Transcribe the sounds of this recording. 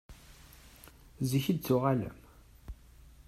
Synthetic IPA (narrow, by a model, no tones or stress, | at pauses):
ziçəd̪̚t͡sːʊʁalə̰m